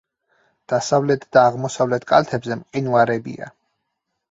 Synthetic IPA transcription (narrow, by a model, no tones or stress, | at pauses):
d̪̥asavlɛt̪ʰd̪aːʁmɔsavlɛt̪ʰkʼalt̪ʰɛbzɛmqʼinvaɾɛbḭa̰